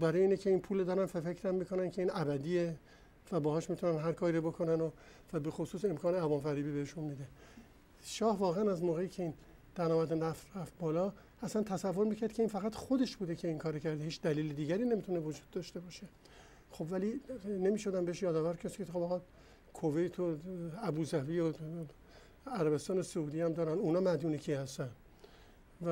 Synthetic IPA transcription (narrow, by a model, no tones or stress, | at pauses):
bæɾɒːjeiːnecʰe̞iːnpʰuːlod̪ɒːɾænfæfecʰɾæmːikʰo̞næncʰe̞iːnæbæd̪iːe | væbɒːhɒːʃmit̪ʰunænɦæɾkʰɒːɾiːɾobo̞kʰo̞næno | væbe̞xosuːse̞mkʰɒːneævɒːmfæɾiːbiːbeheʃunmid̪e | ʃɒːhvɒːɣeænæzmoːɣe̞jiːcʰe̞iːn | d̪̥ænɒːmæd̪enæfɾæft̪̚bɒːlɒː | æslænt̪ʰæsævːo̞ɾmiːcʰæɾd̪̥kʰe̞iːnfæɣæt̪χo̞d̪e̞ʃbuːd̪e̞cʰe̞iŋkʰɒːɾocʰæɾd̪ehiːt͡ʃd̪æliːled̪iːɟæɾiːne̞mit̪ʰune̞vod͡ʒuːd̪̥̚ːɒːʃt̪e̞bɒːʃe̞ | xo̞bvæline̞miːʃo̞d̪æmbeeʃjɒːd̪ɒːvæɾkʰeɾd̪kexobɒːɣɒː | kʰovejt̪ʰoæbuːzæviːo | æɾæbe̞st̪ɒːnesouːd̪iːæmd̪ɒːɾænunɒːmæd̪uːnecʰiːhæst̪ænd̪ | væ